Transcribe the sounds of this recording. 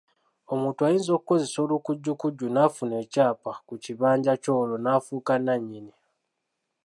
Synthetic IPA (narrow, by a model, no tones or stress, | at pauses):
o̞muːntuajiːnzo̞kuko̞ze̞so̞ːlukuɟːukuɟːunaːfune̞ːcaːpakuciβaːɲɟaco̞lonaːfuːkanaɲːini